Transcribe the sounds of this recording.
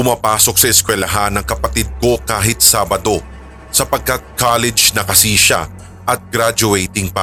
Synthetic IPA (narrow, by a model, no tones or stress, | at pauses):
pʊmaːpaːso̞k̚sɐʔɪskwɛlɐɦanːɐŋkɐpɐt̪ɪd̪̚ko̞kaːɦɪt̪̚saːbɐd̪o̞ | sɐpɐɡ̚kɐt̪̚kalɛd͡ʒnɐkɐsiːʃɐ̰ | ʔɐt̪̚ɡ̥ɾad͡ʒʊɛjt̪ɪŋpɐ